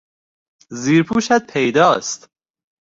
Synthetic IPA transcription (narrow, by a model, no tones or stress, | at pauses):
ziːɾpʰuːʃæt̪̚pʰejd̪ɒːst̪